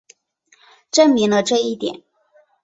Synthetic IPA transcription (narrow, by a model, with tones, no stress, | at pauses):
ʈ͡ʂə˥˩ŋmi˧˥ŋlə˧ʈ͡ʂɤ˥˧i˥˩t̪jɛ̰˨˩˦n